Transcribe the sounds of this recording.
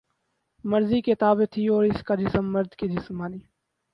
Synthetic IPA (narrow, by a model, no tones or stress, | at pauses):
məɾziːket̪aːbet̪ʰiɔːɾɪskad͡ʒɪsəmːɐɾd̪kid͡ʒɪsmaːniː